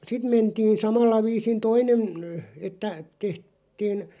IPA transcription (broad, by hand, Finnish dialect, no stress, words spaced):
sit mentiːn̞ sɑmɑlːɑ ʋiːsin toinen n etːæ teht̆ tiːn